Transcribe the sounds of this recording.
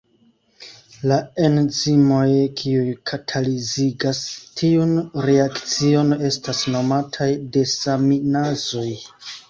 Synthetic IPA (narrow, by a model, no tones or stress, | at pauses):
lae̞nzimo̞jkʰiujkʰatʰaliziɡastʰiunɾeakt͡sio̞ne̞stasno̞matʰajde̞saminazo̞j